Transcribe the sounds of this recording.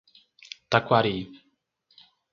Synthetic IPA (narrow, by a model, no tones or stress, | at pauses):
t̪akwaɾi